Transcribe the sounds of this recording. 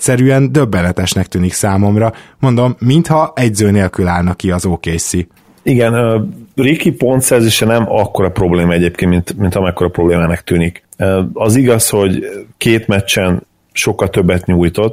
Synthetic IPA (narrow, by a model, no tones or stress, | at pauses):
sɛɾyɛnd̪ø̞bːɛnɛt̪ɛʃnɛk̚t̪yːniksaːmo̞mrɒmo̞nd̪o̞mːint̪hɒɛɟzøːneːlkylaːlnɒkiɒzoːkeːsi | iɡɛnørikipo̞nt̪sɛrzeːʃɛnɛmɒkːo̞ɾɒpɾo̞bleːmɒɛɟeːp̚keːnmint̪mint̪hɒmɛkːo̞ɾɒpɾobleːmaːnɛkt̪yːnikː | ɒziɡɒsho̞ɟkeːt̪mɛt͡ʃːɛn | ʃo̞kːɒlt̪ø̞bːɛt̪ɲuːjt̪o̞t̪ː